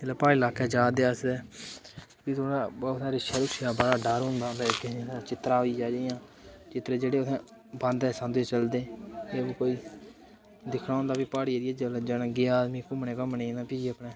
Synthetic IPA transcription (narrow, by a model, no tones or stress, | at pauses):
eləpaːɪlaːkeːd͡ʒaːd̪eːəsd̪ɛː | piːt̪ʰoːɽaːbɔːsaːɾɪʃɛːɾʊkʃjaːbəɽaːɖəɾɦʊ̃nd̪aːbɛːkɪniːst͡ʃɪt̪ɾaːɦoːiːd͡ʒaːd͡ʒejãː | t͡ʃɪt̪ɾeːd͡ʒeːɽeːʊsɛ̃ː | bə̃nd̪ɛːsãnd̪eːt͡ʃəld̪eːeːʋkoːiː | d̪ɪkʰɽaːõnd̪aːbiːpaːɽiːeɾieːd͡ʒəld͡ʒaːnãːɡeːaːd̪miːkʊmnẽːkəmnẽːnãːpiːd͡ʒiəpɳeː